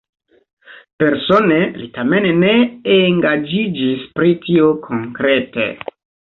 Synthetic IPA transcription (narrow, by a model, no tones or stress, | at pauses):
pe̞ɾso̞nelitame̞nne̞eŋɡad͡ʒid͡ʒispɾitiokʰo̞ŋkɾe̞tḛ